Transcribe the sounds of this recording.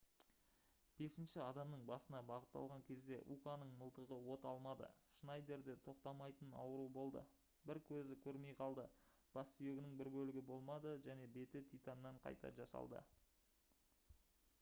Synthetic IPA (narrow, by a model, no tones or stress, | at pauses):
b̥e̞sɪnʃɪɑd̪ɑmnəɴbɑsənɑbɑʁət̪ːɑ̰lˠʁɑŋkʲʰe̞zd̪e̞ʔukanəɴməlˠt̪əʁəwo̞t̪ɑlˠmɑd̪ə̰ʃnɑjd̪e̞ɾd̪e̞t̪ʰo̞qt̪ɑmɑjt̪ənɑ̰wəɾubo̞lˠd̪ə̰ | bɪɾkʲʰɵzɪkʲʰɵɾme̞jqʰɑlˠd̪əb̥ɑsːʏje̞ɡʲɪnɪŋbɪɾbɵlɪɡʲɪbo̞lˠmɑd̪əʒæne̞be̞t̪ɪt̪ʰijt̪ɑnːɑɴqʰɑ̰jt̪ɑ̰ʒɑ̰sɑ̰lˠd̪ə̰